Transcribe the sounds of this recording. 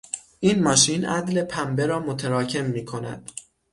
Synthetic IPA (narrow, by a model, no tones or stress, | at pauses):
ʔiːnmɒːʃiːnʔæ̰d̪le̞pʰæmbe̞ɾɒːmot̪ʰeɾɒːcʰe̞mːiːkʰo̞næ̰d̪̥